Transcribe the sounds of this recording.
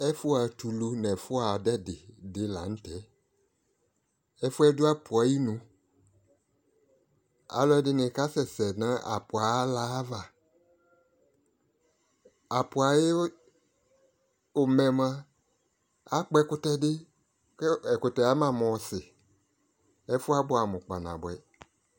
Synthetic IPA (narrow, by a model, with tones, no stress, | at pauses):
ɛ˦fʊ˦a˨tu˨lu˨nɛ̃˨fʊ˦a˨dɛ˦dɪ˨dɪ˨la̰˨n̩˦tɛ˨˦ | ɛ˦fʊ˦ɛ˦dʊ˦a˦pʰʊ˨a˨ji˦nũ˨ | a̰˨lɔ˦ɛ˦dɪ˦nɪ̃˨ka˦sɛ˨sɛ˨nã˦a̰˨pʊ˨a˨˦la˨˦va˨ | a˨pʊ˨a˨je˦ | o˨mɛ̃˨mã˦ | a˦k͡pɛ˦kʊ˦tɛ˦dɪ˦ | ɛ˨kʊ˨tɛ˨a˦mã˦˨mɔ̃˨˦sɪ˨ | ɛ˦fʊ˦a˦bʊ˦a˨mʊ̃˨k͡pa˨nã̰˨bwɛ˨